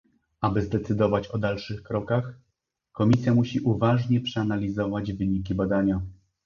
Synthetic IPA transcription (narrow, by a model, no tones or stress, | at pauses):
abɘzd̪ɛt̪sɘd̪ɔvat͡ɕɔd̪alʂɘxkɾɔkax | kɔmʲisʲjamuɕiʔuvaʐɲɛpʂɛanalʲizɔvad͡ʑvɘɲik̬ʲibad̪aɲa